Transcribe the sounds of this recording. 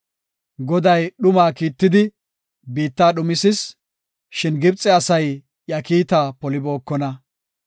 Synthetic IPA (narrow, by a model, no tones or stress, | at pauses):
ɡɔd̪ɐjɗʊmaːkiːt̪ːɪd̪ɪ | biːt̪ːaːɗʊmɪsɪs | ʃɪnɡɪbt͡sʼːɛɐsɐj | jɐkiːt̪aːpɔlɪbo̞ːkːɔnɐ